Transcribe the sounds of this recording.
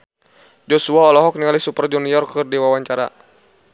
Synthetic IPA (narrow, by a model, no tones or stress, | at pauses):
d͡ʒɔsuaɔlɔɦɔk̚niŋalisupərd͡ʒɔniɔrkɨrdiwawaɲt͡ʃaɾa̰